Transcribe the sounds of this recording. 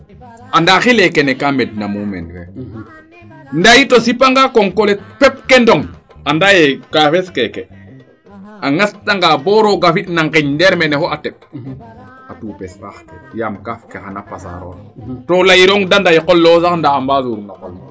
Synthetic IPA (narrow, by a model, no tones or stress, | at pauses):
andaxilekenekamednamumḛnfḛ | ndajitosipaŋɡakoŋkoletpɛp̚kendoŋ | andajekafeskeke | aŋastaŋɡaboɾoɡafitnaŋkiɲdeɾmenehoʔatep̚ | atuːpesfaxkḛjamkafkexanapa̰sa̰ɾo̰tolajiɾoŋdandajikolːosaxndaːmbazuɾnakolm